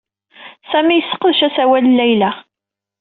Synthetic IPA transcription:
sæmijəsːə̥qːəðʃæsæwælːæjlæ

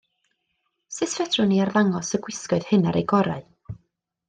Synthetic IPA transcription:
sɨsfɛdʰrʊniarlˠaŋɔsəɡwɪskɔɨð̥hɨnaɾʔejɡɔɾa̰ɨ

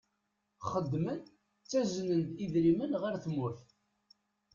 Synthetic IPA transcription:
χəd̪ːmən | t͡sːæzənənt̪iðɾimənʁaɾθmʊɾθ

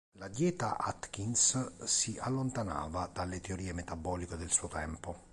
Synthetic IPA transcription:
lad̪jɛːt̪aʔat̪kinssialːont̪ana̰ːvad̪alːet̪eoɾiːemet̪abːɔːliked̪elsuːot̪ɛ̰mpo

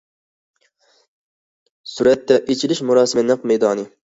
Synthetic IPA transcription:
suɾɛt̪ːɛʔet͡ʃʰilɪʃmuɾɑːsɪmɪnɨqmɛjd̪ɑːnɨ

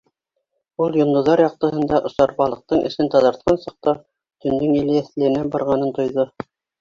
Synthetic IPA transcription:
ulˠjŏld̪ŏðɑɾjɑq̚t̪ɤ̆hɤ̆nd̪ɑʔɤ̆ʃɑɾpɑlˠɤ̆q̚t̪ɤɴʔɘ̰̆ʃɘnt̪ɑðɑɾt̪̚qɑnsɑq̚t̪ɑ | t̪ɵ̆nd̪ɘŋilɘæθlɘ̆ɘ̆næbɑɾʁɑnɤnt̪ŏjðo

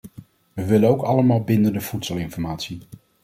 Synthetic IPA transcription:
ʋəʋɪlənowkɑləmaːlˠbɪndəndəv̥utsɑlˠɪnfɔɹmaːtsi

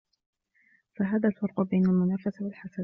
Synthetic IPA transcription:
faɦaːðaːlfɑɾˤqʊbajnalmʊnaːfasawalħasad̪

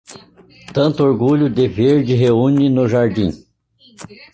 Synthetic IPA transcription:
t̪ɐ̃nt̪ʊoɾɡuʎʊd̪eveɾd͡ʒɪɦeũnɪnʊʒaɾd͡ʒĩ

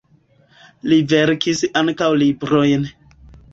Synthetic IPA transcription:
liveɾkisaŋkawlibɾojn

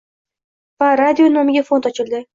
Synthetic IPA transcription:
v̥aɾad̪ʲɪonomɪɡʲɪfont̪ɒt͡ʃɪ̆ld̪ɪ

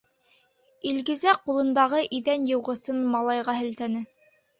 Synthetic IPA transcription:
ilɡɘ̆zæqulˠɤ̆nd̪ɑʁɤʔiðænjɤ̆wʁɤ̆sɤnmɑlˠɑjʁɑhɘ̆lt̪ænɘ

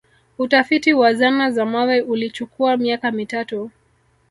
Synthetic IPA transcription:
utafitiwazamazamawɛʔulit͡ʃukuamiakamitatu

